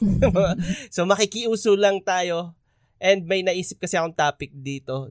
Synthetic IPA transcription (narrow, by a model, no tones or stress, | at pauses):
somɐkɪkɪʔuːsolɐŋt̪aːjo̞ | ʔɛnd̪̚mɐjnɐʔiːsɪp̚kɐsɛɐkoŋt̪aːpɪk̚d̪iːt̪o̞